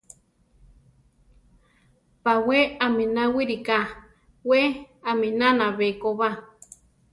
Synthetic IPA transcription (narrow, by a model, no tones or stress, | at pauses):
paweaminawiɾika | we | aminanaβekoβa